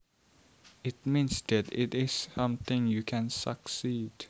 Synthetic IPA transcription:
ɪtmĩnsd̪ætɪ̰tɪsʌ̃mθɪ̃ŋjɨkʰæ̃nsə̰ksid̥

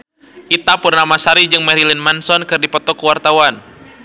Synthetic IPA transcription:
ʔit̪apʊrnamasaɾid͡ʒɨŋmɛɾilinmansɔnkɨrdipɔt̪ɔkuwart̪awan

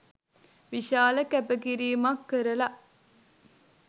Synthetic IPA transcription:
ʋiʃaːlɐkæbəɡiɾiːmɐkːəɾɐlɐʔ

